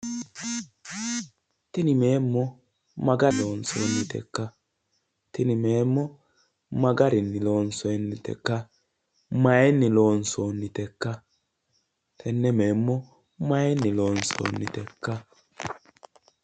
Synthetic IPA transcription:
t̪ɪnɪme̞ːmːɔ | mɐɡɐloːnso̰ːnːɪt̪ɛ̰kːɐ | t̪ɪnɪmeːmːɔ | mɐɡɐɾɪnːɪloːnsɔɛnːɪt̪ɛ̰kːɐ | mɐjɛnːɪloːnsoːnːɪt̪ɛkːɐ | t̪ʰɛnːɛmeːmːɔ | mɐjɛnːɪloːnso̰ːnːɪt̪ɛkːɐ

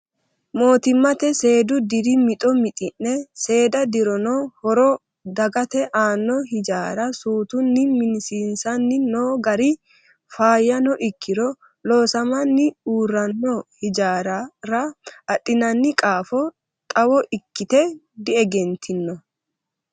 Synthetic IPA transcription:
mo̞ːt̪ɪmːɐt̪ɛse̞ːd̪ʊd̪ɪɾɪmɪt̪ʼɔmɪt̪ʼɪnːɛse̞ːd̪ɐd̪ɪɾɔnɔhɔɾɔ | d̪ɐɡɐt̪ɛʔaːnːɔhɪd͡ʒaːɾɐsuːt̪ʊnːɪmɪnsinsɐnːɪnoːɡɐɾɪ | faːjɐnɔʔɪkʰːɪɾɔ | lo̞ːsɐmɐnːɪuːrːɐnːɔhɪd͡ʒaːɾɐɾɐɐɗʼːɪnɐnːɪkʼaːfɔ | t̪ʼɐwɔʔɪkːɪt̪ɛ | d̪ɪɛɡɛnt̪ʰɪnːɔ

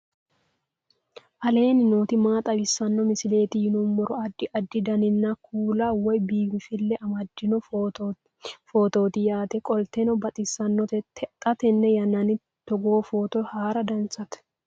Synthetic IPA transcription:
ʔɐle̞ːnɪnoːt̪ɪmaːt̪ʼɐbɪsːɐnːɔmɪsɪle̞ːt̪ɪjɪnʊmːɔɾɔɐd̪ːɪʔɐd̪ːɪd̪ɐnɪnːɐkʰuːlawɔjbiːbɪfɪlːɛʔɐmɐd̪ːɪnɔ | foːt̪o̞ːt̪ɪjaːt̪ɛkʼɔlt̪ɛnɔbɐt̪ʼɪsːɐnːɔt̪ʼɐt̪ɛnːɛjɐnːɐnɪ | t̪ɔɡo̞ːfo̞ːt̪ɔjhaːɾɐd̪ɐnsɐt̪

